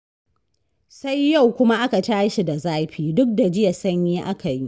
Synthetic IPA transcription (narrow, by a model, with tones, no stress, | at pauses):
sa˦jːa˦˨wkʷʊ˦ma˦ʔa˦ka˨taː˦ʃi˨da˨zaː˦ɸiː˨dʊ˦k̚da˨d͡ʒɪ˦ja˨sɐ˦ɲjiː˦ʔa˦ka˨ji˦ʔ